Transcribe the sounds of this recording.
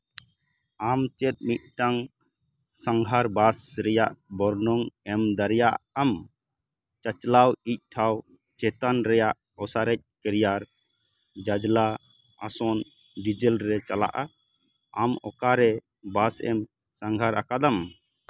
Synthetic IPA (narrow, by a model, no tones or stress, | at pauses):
amt͡ʃɛt̪̚mit̪̚ʈaŋ | saŋɡʱaɾbasɾɛjaʔbɔɾnɔŋɛmd̪aɾɛjaam | t͡ʃat͡ʃlawic̚ˀʈʰaw | t͡ʃɛt̪anɾɛjaʔ | ɔsaɾɛc̚ˀkɛɾijaɾ | d͡ʒad͡ʒla | a̰sɔn | ɖid͡ʒɛlɾɛt͡ʃala̰ʔa | amɔ̰kaɾɛ | basɛ̰m | saŋɡʱaɾakad̪am